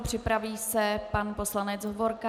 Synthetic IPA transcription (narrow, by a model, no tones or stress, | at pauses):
pr̝̥ɪpɾaviːsɛpanpo̞slanɛt͡sɦovoɾka